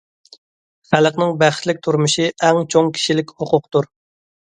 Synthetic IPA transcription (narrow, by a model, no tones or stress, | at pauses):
χæləqnɪŋbæχt̪lɪk̚ʲt̪ʰuɾmuʃiʔɛŋt͡ʃʰoŋkʲʰi̥ʃilɪkʲhoqʰʊq̚t̪uɾ